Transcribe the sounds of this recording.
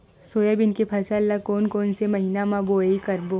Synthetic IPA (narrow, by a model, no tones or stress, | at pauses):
soːjabɪnkepʰɐsəlːakoːnkoːnsemɐɦiːnamãboːikɐɾbo